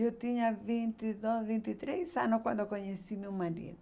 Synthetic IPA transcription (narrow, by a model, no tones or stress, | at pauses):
ewt̪iɲɐvĩnt̪id̪ozvĩnt̪it̪ɾezɐnʊkwɐ̃nd̪okoɲesimewmaɾḭðʊ